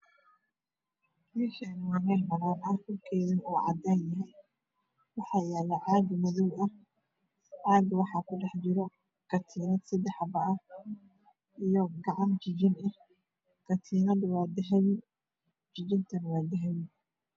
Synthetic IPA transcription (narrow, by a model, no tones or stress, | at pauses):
iʃʰɛnwanɛmɐnaːnɐkʰʊlkʰɛːðɐnuːʕɑ̰d̪aːnjɐɦɛj | wɑħɑːjɛːlɛʕɑːɡmɐðɔwɐh | ʕɑːɡwɑħɑːkʰʊɖɛħd͡ʒɪɾɔ | ɡ̥ɐt̪ʰiːnɐd̪sɐd̪ɛħɑbɐʔɐ | ʔijɔɡɑʕɑnt͡ʃɪd͡ʒɪnɐ | kɐt̪ʰiːnɐd̪waːd̪ɛɦɛj | d͡ʒɪd͡ʒɪnt̪ʰɐnwɑːd̪ɛɦɛjɪ